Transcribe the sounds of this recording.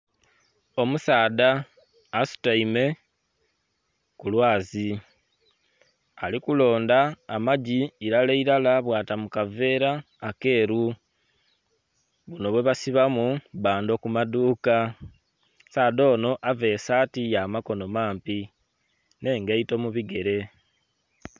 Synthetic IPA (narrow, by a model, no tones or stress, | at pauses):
o̞musaːdaː | su̥taime̞ | kulwaːzi | alikulo̞ːndaːmaɟiːɾaleiɾalaβwaːtamukave̞ːɾaː | ke̞ːɾu | βuno̞βwe̞βasiβamuβaːndo̞kumaduːka | saːdo̞ːno̞ʔave̞ːsaːtijaːmako̞no̞maːmpi | ne̞ːŋɡeito̞muβiɡe̞ɾe̞